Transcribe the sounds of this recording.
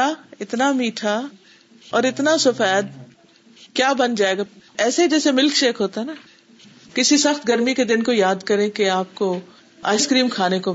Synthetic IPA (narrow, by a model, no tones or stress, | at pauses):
aɪt̪namiːʈʰa | ɔːɾɪt̪nasʊfɛːd̪̚ | kjaːbɐnd͡ʒaːeːɡaɛːsed͡ʒɛːsemɪlkʃeːkʰɦoːt̪aɦɛnaː | kɪsisɐxt̪ɡɐɾmiked̪ɪnkojaːd̪kɐɾẽkeaːp̚ko | a̰ːɪskɾiːmkʰaːneko